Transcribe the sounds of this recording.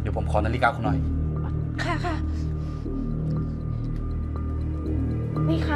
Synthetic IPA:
dpʰo˨˦mkʰɔː˧˦na˧liː˧˩ka˧wkʰo˧nːɔ˧˩j | kʰa˥˩kʰa˥˩ | mi˧˩kʰa˧

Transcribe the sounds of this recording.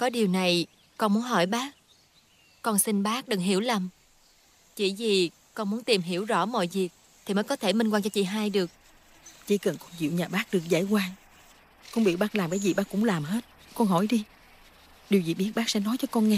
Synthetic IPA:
kɔ˨˦ɗi˨˩əwna˨˩j | kɔ˧nmu˨˦ənɦɔ˧˩jɓaː˦˥k̚ | kɔ˧nsi˧ŋɓaː˦˥k̚ɗɨ˨˩ŋɦi˧˩əwla˨˩m | t͡ɕḭ˧˩zi˨˩ | kɔ˧nmu˨˦ənt̪i˨˩mɦi˧˩əwzɔ̰˧˥mɔ̰˧˨jzi˨˩ək̚ | t̪ʰi˨˩məː˨˦jkɔ˨˦t̪ʰe˧˩mi˧ŋkwaː˧ŋt͡ɕɔ˧t͡ɕḭ˧˨ɦaː˧jɗɨ˨˩ək̚ | t͡ɕḭ˧˦kə˨˩nkɔ˧nzḭ˧˨wɲaː˨˩ɓaː˦˥k̚ɗɨ˨˩ək̚za̰ː˧˩jkwaː˧ŋ | kɔ˧nɓḭ˧˨wɓaː˦˥k̚laː˨˩mkaː˨˦jzi˨˩ɓaː˦˥kːʊ̰˧˥ŋ͡mlaː˨˩mɦe˦˥t̚ | kɔ˧nɦɔ˧˩jɗi˧ | ɗi˨˩əwzi˨˩ɓi˦˥ət̚ɓaː˦˥k̚sɛ̰˧˥nɔ˨˦jt͡ɕɔ˧˩kɔ˧nŋɛ˧

